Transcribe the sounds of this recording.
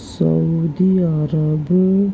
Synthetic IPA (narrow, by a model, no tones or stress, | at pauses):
sa̰ud̪iaɾab